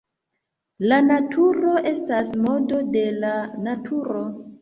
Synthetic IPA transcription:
lanatʰuɾo̞ʔe̞stasmo̞do̞de̞lanatʰuɾo̞

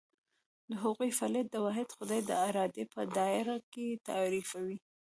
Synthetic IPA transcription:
d̪əɦaɣujfalɪd̪̚ːəwɑɦɪd̪xʊd̪ɑjd̪əaɾɑd̪epəd̪ɑɪɾaket̪a̰ɾifawi

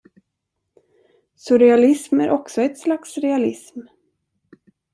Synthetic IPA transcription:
sʊɾɛalɪsmæɾʔɔksɔɛt̪slaksɾɛalɪsm

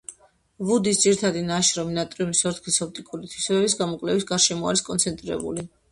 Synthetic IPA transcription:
vud̪isd̪ziɾit̪ʰad̪inaʃɾɔminat̪ʼɾiunisɔɾt̪ʰkʰisɔp̚t̪ʼikʼuɾit̪ʰwisɛbɛbisɡamɔkʼlɛvisɡaɾʃɛmɔa̰ɾiskʼɔnsʰɛnt̪ʼɾiɾɛ̰bṵli

